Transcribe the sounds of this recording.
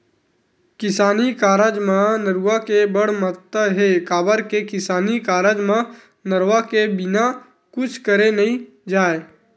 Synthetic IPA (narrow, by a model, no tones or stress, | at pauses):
kɪsaːnikaːɾəd͡ʒmãnəɾuʋakebəɽ̤mət̪ːəɦekaːbəɾkekɪsaːnikaːɾəd͡ʒmã | nəɾwakebɪna | kʊt͡ʃʰkəɾenɐɦĩ | d͡ʒaːe